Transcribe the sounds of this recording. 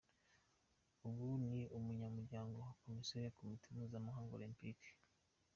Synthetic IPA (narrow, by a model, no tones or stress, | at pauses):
uβuniumuɲamuɾɟaːŋɡo̞wakomiseɾjakomitʰinuzamaɦaːŋɡolimpik